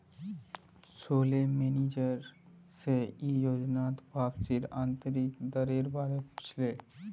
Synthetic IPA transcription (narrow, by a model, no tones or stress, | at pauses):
soːlemeːnid͡ʒəɾ | seijod͡ʒnaːt̪bʱaːbsiɾãːnt̪əɾikd̪əɾeɾbaːɾeput͡ʃʰle